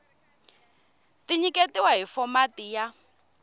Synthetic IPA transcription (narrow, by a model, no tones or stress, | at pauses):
tiɲiketiwaɦifɔmatija